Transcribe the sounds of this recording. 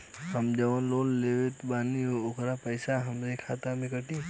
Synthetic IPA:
ɦəmd͡ʒɐʋanloːnleːʋet̪baːniɦookʰɾapəɪsaɦɐmɾekʰaːt̪amẽkəʈiː

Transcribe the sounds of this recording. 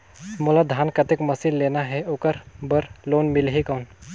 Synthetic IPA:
mʊlad̪ʱaːnkɐt̪ɪkmɐsilːeːnaɦɛokəɾbəɾloːnmɪlɦikɔːn

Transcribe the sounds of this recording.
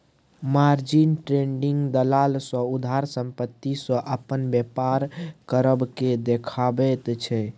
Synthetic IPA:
maɾd͡ʒinʈɾeɳɖiŋɡd̪əlalsɔ̃ud̪ʱaɾsəmpət̪ːisɔ̃ʔəpənbjepaɾkəɾəbked̪ekʰabɛt̪t͡ʃʰɛ

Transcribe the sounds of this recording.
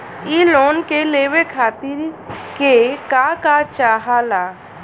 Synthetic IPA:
iloːnkeleːʋekʰaːt̪ɪɾkekakat͡ʃaːɦalaː

